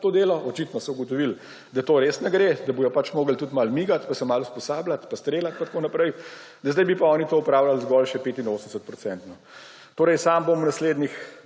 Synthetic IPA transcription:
t̪oːd̪eːlɔʔɔt͡ʃit̪nɔsɔuɡɔt̪ɔʋil | d̪at̪oːɾeːsnɛɡɾed̪ɐbijɔpat͡ʃmoːɡəlt̪ut̪malmiːɡat̪pasɛmaluspɔsaːblat̪past̪ɾeːlat̪̚pat̪konapɾɛj | d̪ɐzd̪ɛjbipaɔːnit̪oːupɾaːwlalzɡɔlʃɛpeːt̪inoːsənd̪əsət̪̚pɾɔt̪sɛnt̪nɔ | t̪oːɾɛjsaːmbomunasleːd̪nix

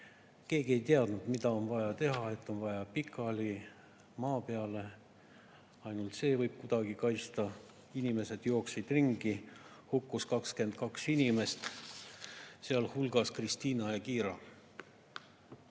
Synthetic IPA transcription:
ke̞ːɡie̞jt̪eɑd̪nud̪mid̪̥ɑo̞nvɑjɑt̪e̞ɦɑe̞t̪ːˑo̞nvɑjɑpikʰːˑɑli | mɑːpe̞ɑle̞ | ɑjnult̪se̞ːvɤjb̥̚kud̪̥ɑɡ̥ikɑjst̪ɑ | inime̞se̞d̪̥jo̞ːksid̪̥riŋɡ̥ihukːuskɑkske̞nd̪̥̚kɑksinʲime̞st̪ | seɑlhulɡ̥ɑskrist̪iːnɑjɑkiːɾɑ

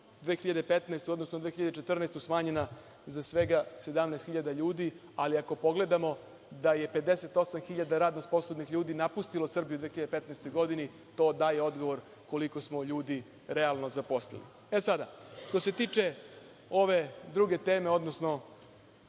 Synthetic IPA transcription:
d̪ʋeːxiʎad̪epet̪nest̪ujod̪no̞snod̪ʋeːxiʎad̪et͡ʃet̪r̩nest̪usmaːɲe̞na | zasʋe̞ɡase̞d̪amnest̪xiʎad̪aʎuːd̪i | aliako̞po̞ɡle̞d̪amo̞ | d̪aje̞pe̞d̪ese̞t̪o̞samxiʎad̪aɾaːd̪nosposlˠod̪nixʎuːd̪inapust̪ilosr̩bijud̪ʋeːxiʎad̪epe̞t̪naɛst̪o̞jɡo̞d̪ini | t̪o̞ːd̪aːjeo̞d̪ɡo̞ʋo̞ɾ | ko̞liko̞smoʎuːd̪i | ɾealˠno̞zapo̞slḛlḭ | esad̪aʂt̪o̞se̞t̪iːt͡ʂe | o̞ʋe̞d̪ɾuɡe̞t̪e̞ːme̞o̞d̪nosno̞

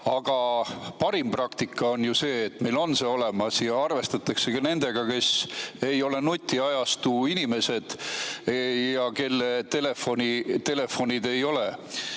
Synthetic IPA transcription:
ɑɡ̥ɑpɑɾimprɑkt̪ikːˑɑo̞njuse̞ːt̪ːme̞jlo̞nseo̞le̞mɑsjɑɑrve̞st̪ɑt̪ːˑɑkse̞kɑne̞nd̪̥e̞ɡ̥ɑke̞se̞jo̞le̞nut̪ʲːiɑjɑst̪uːinime̞se̞d̪̥ | jɑke̞lːet̪e̞le̞fo̞nʲit̪e̞le̞fo̞nʲid̪e̞jo̞le

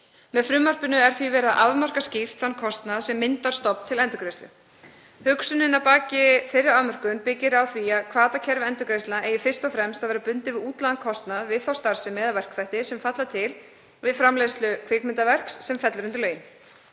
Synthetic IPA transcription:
mɛðfɾʏːmar̥pʏnʏɛɾ̥θvivɛːɾaðʔa̰vmar̥kascɪr̥t̪fanːkʰɔst̪naðsɛmːɪnt̪aɾ̥st̪ɔpn̥t̪ʰɪlɛnt̪ʏkɾejst̪ʏ̰ | hʏksʏnɪnawpaːcɪfɪrɾːʏɾamœr̥kʏnpɪcːɪɾawθviaðkʰvaːt̪acʰɛɾvɛnt̪ʏkɾejst̪aʔejɪfɪrst̪ɔfɾɛmst̪aðɛːɾapʏnt̪ɪvɪðuːt̪laðankʰɔst̪naðvɪðθawst̪aɾ̥sɪmːɛːðavɛr̥kθajht̪ɪsɛmfat̪lat̪ʰɪl | vɪðfɾamlɛðst̪lʏkʰvɪkmɪnt̪avɛr̥ksːɛmfɛt̪lʏɾʏnt̪ɪɾlœːjɪn

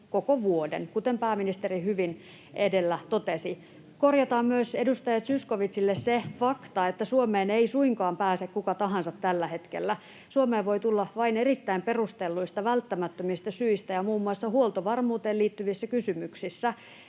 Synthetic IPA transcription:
kokoʋuodḛnkut̪empæːminist̪erihyʋin | edelːæt̪ot̪esi | korjɑt̪ɑːmmyøsedust̪ɑjɑt̪syskoʋit̪silːessefɑkt̪ɑet̪ːæsuomeːneisuiŋkɑːmpæːsekkukɑt̪ɑɦɑnsɑt̪tælːæhet̪kḛlːæ | suomeːʋʋoit̪ulːɑʋɑinerit̪ːæimperust̪elːuist̪ɑʋælt̪ːæmæt̪ːømist̪ɑsyist̪æjɑmuːmːuɑsːɑhuolt̪oʋɑrmuːt̪eːliːt̪ːyʋisːækysymyksisːæ

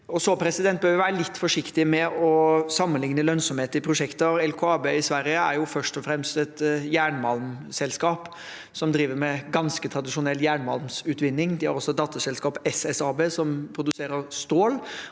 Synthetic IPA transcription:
ɔsɔpʰɾɛsɪd̪ɛnt̪̚bœːɾʋɪʋæːɾəlɪt̪ːfɔʂɪkt̪ɪmɛɔsɑmːənlɪŋnəlœnsɔmheːt̪əɪpʰɾʊʂɛkt̪əɾɛlkʰoɑːbeːɪsʋæɾjəæ̰ɾjʊfœʂʈɔfɾɛmst̪ɛt̪jæːɳmɑlmsɛlskɑːp | sɔmd̪ɾiːʋəɾmɛɡɑnskət̪ʰɾɑd̪ɪʂʊnɛlːjæːɳmɑ̰lmsʉːt̪ʋɪnːɪŋd̪ɪhɑ̰ɾɔsːɔd̪ɑːt̪əsɛlskɑːpɛsɛsɑːbeːsɔmpʰɾʊd̪ʉseːɾəɾst̪oːl

